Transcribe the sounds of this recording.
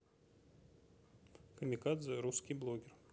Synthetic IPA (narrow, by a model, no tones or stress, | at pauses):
kɾʲmʲikad̪zɨɾuskʲiblˠoɡʲɪr